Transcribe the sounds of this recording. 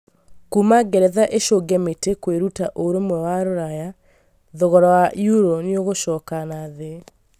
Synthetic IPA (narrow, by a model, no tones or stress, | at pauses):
kumaɡɛɾɛðaʔeʃoɡɛmetekweɾutaʔoɾomwɛwaɾoɾaja | ðɔɣɔɾɔwaʔjuɾoneoɣoʃɔːkanaðɛ